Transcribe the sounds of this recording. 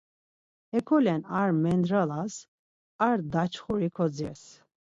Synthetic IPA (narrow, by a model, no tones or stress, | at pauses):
ɛkʰɔlɛnaɾmɛnd̪ɾalas | aɾd̪at͡ʃʰχuɾikʰɔd͡ziɾs